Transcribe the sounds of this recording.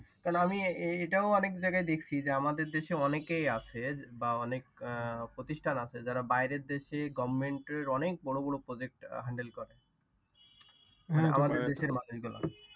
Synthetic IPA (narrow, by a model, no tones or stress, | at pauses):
kaɾnoamieʈaoɔnekd͡ʑajɡajd̪ekʰt͡ɕʰid͡ʑeamad̪eɾd̪eʃeɔnekejat͡ɕʰebaɔnek̚pɾot̪iʃʈʰanat͡ɕʰed͡ʑaɾabajɾeɾd̪eʃeɡɔbʱmeɳʈeɾɔnek̚bɔɽobɔɽopɾod͡ʑek̚ʈɦaɳɖelkɔɾe | a̰mad̪eɾd̪eʃeɾmanod͡ʑɡula̰